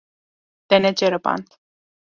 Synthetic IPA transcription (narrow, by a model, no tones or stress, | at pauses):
t̪enet͡ʃeɾəpa̰nt̪